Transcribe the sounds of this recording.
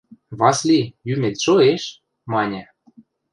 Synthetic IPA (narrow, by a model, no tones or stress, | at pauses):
βɑslijymʲet̪ʃoeʃ | mɑnʲæ̆